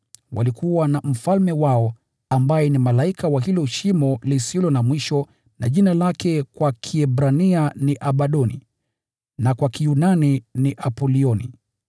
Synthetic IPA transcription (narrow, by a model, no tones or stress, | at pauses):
wa̰likuwanam̩falmɛwaɔ | ambajɛnimalaikawaɦilɔʃimɔlisilɔnamwiʃɔ | na̰ʄinalakɛkwakʰiɛbɾanianiʔaɓaɗɔnḭ | nakwakijunaniniʔapɔliɔni